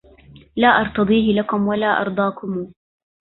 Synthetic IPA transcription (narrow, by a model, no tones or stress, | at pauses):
laːʔɑɾˤt̪ɑd̪ˤiːhɪlakʊmwalaːʔɑ̰ɾˤd̪ˤɑːkʊmuː